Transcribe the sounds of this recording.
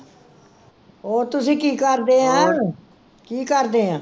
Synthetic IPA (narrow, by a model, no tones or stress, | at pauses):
oːt̪ʊsĩːkiːkəɾd̪eːãː | kiːkəɾd̪eːɦãː